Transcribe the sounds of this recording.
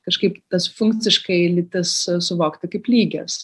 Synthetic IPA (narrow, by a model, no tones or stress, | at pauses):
kɐʃkɐɪpt̪ɐsfʊŋkt͡s̪ʲɪʃkɐɪlʲɪt̪ɐssʊʋoːkt̪ɐkɐɪplʲiːɡʲɛs